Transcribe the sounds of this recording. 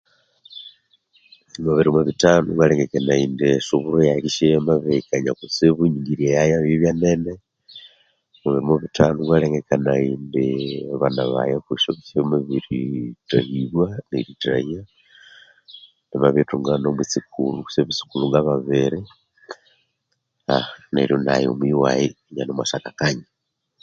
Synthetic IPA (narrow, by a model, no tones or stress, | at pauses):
muβiɾimoβitanuɡwaleŋɡekenaindiʃuβuɾojaɾiʃemaβekaɲakusiβuɲiŋɡiɾjejajaβjiβjanene | muβiɾimoβitanuɡwaleŋɡekanaiːndiβanaβa̰jakuʃoβiʃemuβiɾitahiβwaneɾita̰hia | ndiβaβetuŋɡanomwit͡sikṵluku̥seβisi̥kuluŋɡaβaβeɾi | a̰nḛɾjonajo̰mwiwaji | ɲanomwaʃakakaɲa